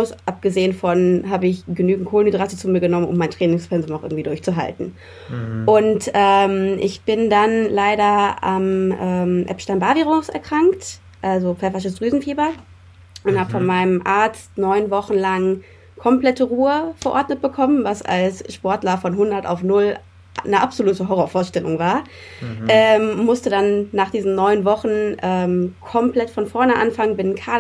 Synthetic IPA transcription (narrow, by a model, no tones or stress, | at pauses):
ʊsʔap̚ɡ̥əzeːənfɔnɦaːbəɪçɡ̥ənyːɡŋ̩tkʰoːlənmidʁasət͡suːmiːɐɡənɔmənʔʊmːaɪntʁ̥ɛːnɪŋsfɛnzʊmnaʊʔɪ̰ɡŋ̩tv̥iːdʊɐçt͡suɦa̰ltn̩ | ʔʊntʔɛːmʔɪ̰çb̥ɪndanlaɪɾɐa̰mʔɛːmʔɛ̰pʃtaɪnbaɐviːʁʊsɛ̰ɐkʁ̥aŋkt | ʔalzofɛɐfɪʃ̬əsd̥ʁyːzn̩fiːbɐ | ʔʊnthaːbəfɔnmaɪnəmʔaɐt͡stnɔʏnvɔχn̩laŋ | kʰɔmpl̥ɛtəʁuːəfɛɐʔɔɐtnət̚b̥əkʰɔmənvasa̰lsʃpɔɐtlɐfɔnɦʊndɐta̰ʊfnʊl | nəʔapz̥oluːtəɦɔʁɐfoːɐʃtɛlʊŋvaːɐ | ʔɛːmʊmʊstədanːaːχd̥iːzn̩nɔʏnvɔχn̩ʔɛːmkʰɔmpl̥ɛtfɔnfɔɐnəʔa̰nfaŋənbɪnkʰa